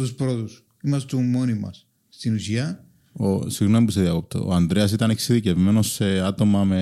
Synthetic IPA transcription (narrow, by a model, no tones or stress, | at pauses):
t̪uspɾot̪us | imɐst̪umonimɐ̰s | st̪inusiɐ | osiɣnomipuiseðiɐkop̚t̪o̰oɐnd̪ɾeɐs̬it̪ɐneksiðicevme̞no̞sːe̞ɐt̪o̞mɐme